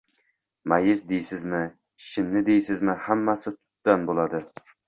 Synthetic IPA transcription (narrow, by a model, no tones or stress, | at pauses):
mæjɪzd̪ejsɪzmɪ | ʃɪnːɪd̪ejsɪzmɪhæmːæsɪt̪ʰʊ̥t̪̚d̪̥anbolˠɑd̪ɨ